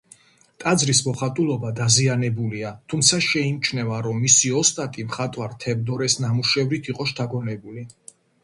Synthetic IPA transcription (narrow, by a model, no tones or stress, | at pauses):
t̪ʼad̪zɾismɔχat̪ʼulˠɔbad̪azianɛbuliat̪ʰumt̪sʰaʃɛimt͡ʃʰnɛvaɾɔmːisiɔst̪ʼat̪ʼimχat̪ʼwaɾt̪ʰɛvd̪ɔɾɛsnamuʃɛvɾit̪ʰiqʼɔʃt̪ʰaɡɔnɛbuli